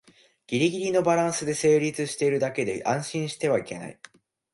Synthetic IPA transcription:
ɡ̥ʲiɾʲiɡʲiɾʲino̞baɾãɰ̃sɨd̪e̞se̞ːɾʲit͡sɨɕi̥t̪e̞iɾɯ̟d̪ake̞d̪e̞ʔãɰ̃ɕĩɰ̃ɕi̥t̪e̞β̞aike̞na̰i

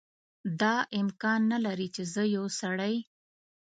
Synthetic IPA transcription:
d̪ɑʔɪmkɑnːalaɾit͡ʃezəjowsaɽaj

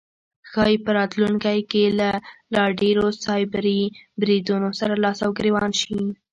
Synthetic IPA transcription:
xɑjpəɾɑt̪luŋkajkelalɑɖeɾosɑjbaɾibɾid̪unosaɾalɑsawɡɾewɑnʃi

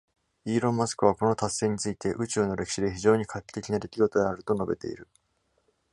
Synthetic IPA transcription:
iːɾõ̞mːasɨ̥kɯ̟βako̞no̞t̪asːe̞ːɲ̟it͡sɨit̪e̞ʔɯ̟t͡ɕɨːno̞ɾe̞ki̥ɕid̪e̞çiʑo̞ːɲ̟ikʰakʲːi̥t̪ːe̞kʲinad̪e̞kʲiɡo̞t̪o̞d̪eaɾɯ̟t̪o̞no̞be̞̰t̪e̞̰ḭɾɯ̟

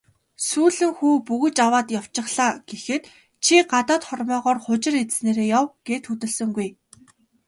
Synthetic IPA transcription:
suːɮɘ̆ŋxuːpuɣɘ̆t͡ɕawaːt̪jaw̥t͡ɕɪ̆χɮaːɡ̥exɘ̆t̪ | t͡ɕʰiɢat̪ɔːt̪χɔrmœːʁɔːrχʊt͡ɕɪ̆ret͡ssneːɾeːjawɡ̥eːt̪xɵt̪ɵ̆ɮsɵ̆ŋɡuj

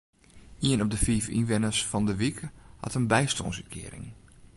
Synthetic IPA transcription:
iənɔp̚dəfiːfḭnʋɪnəsfɔndəʋikhɑ̰tənbɛjstɔ̰nsəkʰɪ̰əɾɪ̰ŋ

